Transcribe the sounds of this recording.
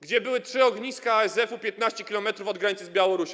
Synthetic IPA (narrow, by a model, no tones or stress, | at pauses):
ɡd͡ʑɛbɘwɘtʂɘɔɡɲiskaɛzɛfupʲjɛt̪̚naɕt͡ɕɛkʲilɔmɛt̪ɾufɔd̪ɡɾaɲit̪sɨzbʲjawɔɾuɕ